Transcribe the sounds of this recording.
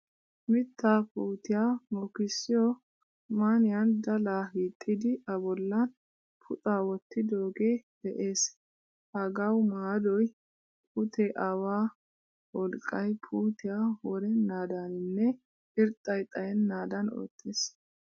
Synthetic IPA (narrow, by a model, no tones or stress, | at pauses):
mɪt̪ːaːpuːt̪ɪjaːmɔkɪsːɪjɔ | maːnɪjɐnd̪ɐlahiːt̪ʼːɪd̪ɪʔɐbɔlːɐn | pʰʊt̪ʼaːwɔt̪ːɪd̪oːɡe̞ːd̪ɛʔe̞ːs | hɐɡɐwmaːd̪ɔj | pʰʊt̪ʰɛʔɐwaː | wɔlkʼːɐjpʰuːt̪ɪjaːwɔɾɛnaːd̪aːnɪnːɛ | ɪɾt̪ʼːɐjt̪ʼɐjɛnːaːd̪ɐno̰ːt̪ʰːeːs